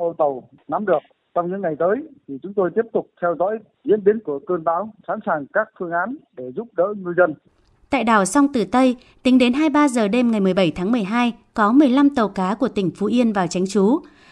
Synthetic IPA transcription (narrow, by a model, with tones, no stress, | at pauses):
ʔə˧t̪ə˨˩w | na˨˦mɗɨ˨˩ək̚ | t͡ɕɔ˧wŋ͡mɲɨ̰˧˥ŋa˨˩jt̪əː˨˦jt̪ʰi˨˩t͡ɕʊ˨˦ŋ͡mt̪o˧jt̪i˦˥əp̚t̪ʊ˨˩k͡p̚t̪ʰɛ˧wzɔ̰ː˧˥j | zḭ˧˥ənɓi˨˦ənku˧˩əkəː˧nɓa̰ː˨˦wsa̰ː˧˥nsaː˨˩ŋkaː˦˥k̚fɨ˧əŋʔaː˨˦nɗe˧˩zʊ˦˥p̚ɗə̰ː˧˥ɲɨ˧zə˧n | t̪a̰ː˧˨jɗaː˨˩wsa˧wŋ͡mt̪ɨ˨˩t̪ə˧j | t̪ï˨˦ŋ̟ɗe˨˦nɦaː˧jɓaː˧zəː˨˩ɗe˧mŋa˨˩jmɨ˨˩ə˩jɓə˧˩jt̪ʰaː˨˦ŋmɨ˨˩əjɦaː˧jkɔ˨˦mɨ˨˩əjla˧mt̪ə˨˩wkaː˨˦ku˧˩ət̪ï˧˩ŋ̟fu˨˦ʔi˧ənvaː˨˩wt͡ɕa˨˦jŋ̟t͡ɕu˨˦